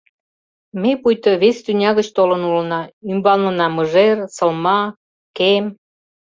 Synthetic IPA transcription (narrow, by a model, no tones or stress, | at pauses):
mepujt̪əβest̪ynʲɑɣət͡ɕt̪olənulənɑymbɑnlənɑməʒersə̆lmɑ | kem